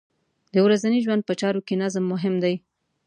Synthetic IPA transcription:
d̪əwɾazaniʒwand̪̚pət͡ʃɑɾokenazmːʊɦɪmd̪aj

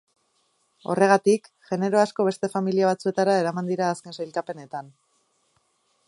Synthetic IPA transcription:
o̞̰re̞ɣ̞at̪ik | ʝe̞ne̞ɾo̞asko̞β̞e̞st̪e̞familiaβ̞at͡sue̞t̪aɾae̞ɾamand̪iɾaːske̞nsajlkape̞ne̞t̪an

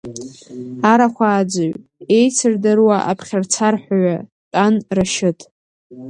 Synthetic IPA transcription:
aɾaχʷaːd͡zaɥe̞jt͡sʰɨrdarwaʔa̰pʰχʲart͡sʰarħʷᶣaɥa | tʼanraʃɪtʼ

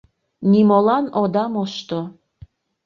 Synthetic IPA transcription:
nimolˠɑnod̪ɑmoʃt̪o

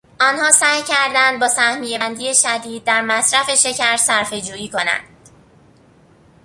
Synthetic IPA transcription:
ʔɒːnhɒːsæːhjcʰæɾd̪ænd̪̚bɒːsæhmijebænd̪ije̞ʃæd̪iːd̪̚ːæɾmæsɾæfe̞ʃe̞cʰæɾsæɾfe̞d͡ʒuːjiːkʰo̞næ̰nd̪̥

